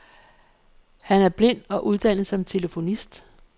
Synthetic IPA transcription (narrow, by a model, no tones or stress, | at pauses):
hænæɐb̥le̝n̰ɒ̽ʔuð̞ˠd̥æn̰ð̩ˠsɒ̽mt͡sʰe̝ləfo̝nisd̥